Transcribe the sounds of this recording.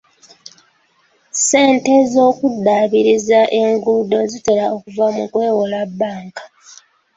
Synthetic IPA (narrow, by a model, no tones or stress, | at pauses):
se̞ːnte̞zo̞ːkudːaːβiɾizaʔe̞ŋɡuːdo̞zite̞ɾao̞kuvamukwe̞ːwolabːaːŋkḁ